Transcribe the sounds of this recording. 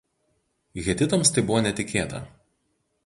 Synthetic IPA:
ɣʲɛt̪ʲɪt̪ɐmst̪ɐɪbʊʋɔːnʲɛt̪ʲɪkʲeːt̪ɐ̰

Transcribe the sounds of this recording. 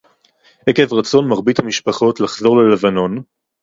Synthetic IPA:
ʔekevʁat͡so̞nmaʁbithamiʃpaχotlaχzo̞ʁlele̞vano̞n

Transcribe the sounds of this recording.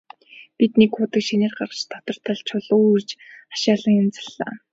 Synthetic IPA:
pit̪nikxʊːt̪ə̆kʃinĕːrɢart͡ɕt̪ʰɔ̥t̪ɞ̆r̥t̪ə̆ɮt͡ɕʰʊɮurt͡ɕḁʃaːɮə̆ŋjʊnt͡sḁɮːa̰ː

